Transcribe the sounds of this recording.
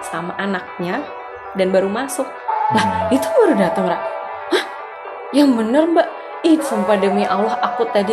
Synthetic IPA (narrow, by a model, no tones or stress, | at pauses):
samaʔanak̚ɲa | danbaɾumasʊk̚lahit̪ubaɾudat̪əŋɾaʔ | wah | jaŋbənərmbaʔ | isampadəmiʔawlahakut̪adi